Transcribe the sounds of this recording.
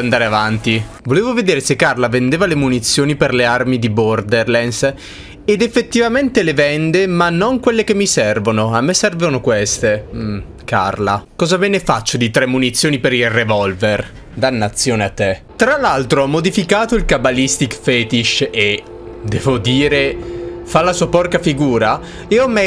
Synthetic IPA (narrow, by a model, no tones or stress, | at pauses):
nd̪aːɾeavant̪i | voleːvoved̪eːɾesekːarlavend̪eːvalemunit̪sːjoːniperlearmid̪ibɔrd̪erlɛns | ed̪efːet̪ːivament̪elevɛnd̪emanːoŋkwelːekemːisɛrvonoamːesɛrvonokwest̪e | ka̰rlakɔːzabɛːnefat͡ʃːod̪it̪ɾɛmːunit̪sːjoːnipeɾilrevɔlver | d̪anːat̪sːjoːneat̪ːet̪ɾalːalt̪ɾoɔmːod̪ifikaːt̪oilkabalist̪ikfɛːt̪iʃe | d̪ɛːvod̪iːɾefalːasuːapɔrkafiɡuːɾa | eɔmːe